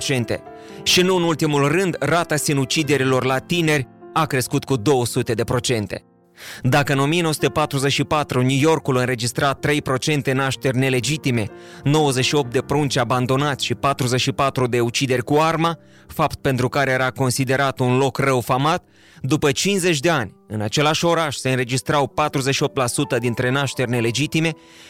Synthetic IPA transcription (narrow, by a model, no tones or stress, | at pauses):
t͡ʃe̞nt̪e̞̰ | ʃinuɨnult̪imulrɨnd̪rat̪asinut͡ʃid̪e̞ɾilo̞rlat̪ine̞rʲakɾe̞skut̪kud̪o̞wəsut̪e̞d̪e̞pɾo̞t͡ʃe̞nt̪e̞̰ | d̪akəɨno̞mijenowəsut̪əpat̪ɾuze̞ʃipat̪ɾunʲjujo̞rkulɨnre̞d͡ʒist̪ɾat̪ːɾe̞jpɾo̞t͡ʃe̞nt̪enaʃt̪e̞rʲne̞le̞d͡ʒit̪ime̞no̞wəze̞ʃio̞p̚t̪̚d̪e̞pɾunt͡ʃaband̪o̞nat̪sʲʃipat̪ɾuze̞ʃipat̪ɾud̪e̞ut͡ʃid̪erʲkuarma | fapt̪̚pe̞nt̪ɾukaɾejeɾako̞nsid̪e̞ɾat̪unlo̞krəwfamat̪ | d̪upət͡ʃinze̞t͡ʃʲd̪e̞anʲ | ɨnat͡ʃe̞laʃo̞ɾaʃse̞ɨnre̞d͡ʒist̪ɾawpat̪ɾuzeʃio̞p̚t̪lasut̪əd̪int̪ɾe̞naʃt̪e̞rʲne̞le̞d͡ʒit̪ime̞